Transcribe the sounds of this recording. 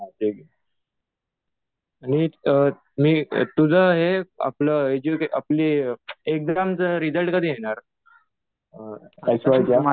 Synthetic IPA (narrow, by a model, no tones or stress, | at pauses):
ad͡ʒeɡ | añi | mḭːt̪ud͡zʱəɦea̰pləed͡ʑukeʔa̰pliːek̚d̪ɾamt͡səɾid͡zəlʈkəd̪iːɦeɽ̃aɾ | ajsʋajt͡ɕja